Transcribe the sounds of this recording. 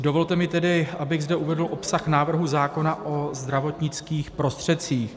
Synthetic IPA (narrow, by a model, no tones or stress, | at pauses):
dovo̞lt̪ɛmɪt̪ɛdɪʔabɪɣzdɛʔuvɛdl̩ʔo̞psaxnaːvr̩ɦuzaːko̞naʔozd̪ɾavo̞t̪ɲɪt͡skiːxpɾo̞st̪r̝̥ɛt̪t͡siːx